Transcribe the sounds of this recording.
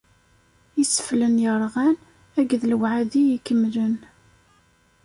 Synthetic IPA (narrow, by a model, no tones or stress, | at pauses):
isə̥flənjəɾˤʁæn | æɡðlwʕaðijikːəmːlən